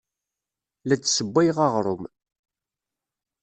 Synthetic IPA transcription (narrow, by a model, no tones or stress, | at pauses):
læt͡sːsəbːæjʁɑʁɾˤʊm